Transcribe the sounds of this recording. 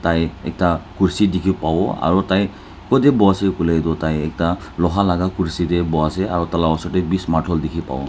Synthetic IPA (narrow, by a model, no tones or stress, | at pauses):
t̪ãj̃ḛk̚takuɾsid̪ikʰipawɔa̰ɾɔt̪ãj | kɔd̪ebɔasekulejd̪ot̪ãjek̚ta | lɔɦalaɡakuɾsid̪ebɔaseaɾɔt̪alawɔsɔʈebismaʈʰɔld̪ikʰipa̰w̰